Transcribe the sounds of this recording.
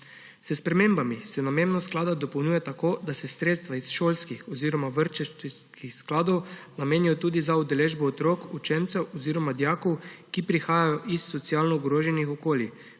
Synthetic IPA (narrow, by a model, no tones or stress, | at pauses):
səspɾɛmeːmbamisɛnamemnasklaːd̪ad̪ɔpownʲuːjɛt̪akoːd̪asɛsɾeːt̪st̪ʋaisʃoːlskixɔziːɾɔmaʋəɾt͡ʃɛt̪iskixsklaːd̪ɔwnameːnijɔt̪uːd̪izaud̪ɛleːʒbɔːt̪ɾoːkut͡ʃɛnt̪sɛwɔziːɾɔmad̪jaːkɔwkipɾixaːjajɔʔisːɔt̪siaːlnɔuɡɾoːʒɛnixɔkoːli